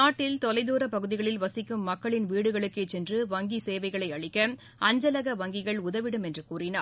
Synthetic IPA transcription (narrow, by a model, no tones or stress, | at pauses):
aːʈːɪlt̪ɔlɐɪðuːɾɐpɐɣɯðɪɣɐɭɪlʋɐsɪkːɯmːɐkːɐɭɪnʋiːɽɯɣɐɭɯkːeːt͡ʃɛndrɯʋɐŋɡiseːʋɐɪɣɐɭɐɪɐɭɪkːɐ | ʔɐɲd͡ʒɐlɐɣɐʋɐŋɡɪɣɐɭʊðɐʋɪɽɯmɛndrɯkuːrɪna̰ː